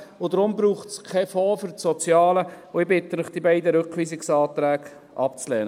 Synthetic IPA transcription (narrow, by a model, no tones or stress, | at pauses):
ʊd̪ɾʊmbɾuːχtskʰɛfɔːfʏɾtsɔt͡sjɑːlə | ʊɪbɪt̪ːənəχd̥ibæɪdəɾøkʋiːsɪksɑːt̪ɾæːɡ̥ | ʔɑpt͡slɛːnə